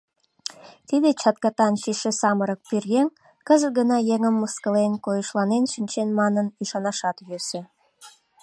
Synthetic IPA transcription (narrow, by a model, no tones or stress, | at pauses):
t̪id̪et͡ɕɑt̪kɑt̪ɑnʃiʃesɑməɾək̚pyrɣeŋ | kəzəɡənɑjeŋəmːəskəlenkojəʃlɑnenʃinʲt͡ɕenmɑnəniʃɑnɑʃɑt̪jøsĕ